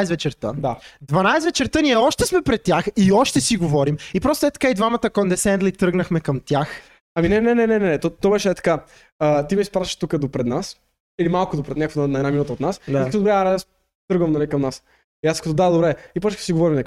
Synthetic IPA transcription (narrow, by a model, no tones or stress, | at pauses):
jsvɛt͡ʃɛɾt̪ə̰d̪ad̪vɐnajsvɛt͡ʃɛɾt̪əniɛɔʃt̪ɛsmɛpɾɛt̪ʲːjaxiɔʃt̪ɛsiɡovɔɾimipɾɔst̪oɛt̪ɐ̥kaid̪vamət̪əkɔnd̪ɛsɛnd̪lˠit̪ɾɤɡnɐxmɛkɐmt̪ʲjax | ɐminɛnɛnɛnɛnɛnɛt̪ɔt̪ːɔbɛʃɛɛt̪ɐ̥ka | ət̪imispɾat̪iʃt̪ukəd̪opɾɛd̪nas | ilimalˠkʊd̪opɾɛd̪nʲakvonnɐɛd̪naminut̪əot̪nasikt̪od̪bɾɛjas | t̪ɤɡvɐmnɐlʲikɐmnas | iaskət̪od̪ad̪obɾɛipɔt͡ʃkə̥siɡovɔɾimn